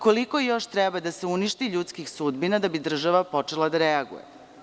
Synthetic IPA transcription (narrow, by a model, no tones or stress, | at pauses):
koliko̞jo̞ʃt̪ɾɛbad̪aseuniʃt̪iʎuːt̪skixsud̪binad̪abid̪r̩ʒaʋapo̞t͡ʃe̞lˠad̪aɾeaɡṵjḛ